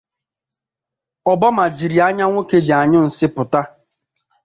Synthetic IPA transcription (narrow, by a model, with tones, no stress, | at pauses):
ɔ˨bɔ˦ma˨d͡ʒi˨ɾi˨a˦ɲa˦ŋʷo˦ke˦d͡ʒi˨a˨ɲʊ˦n̩˨sɪ˦pʊ˨ta˦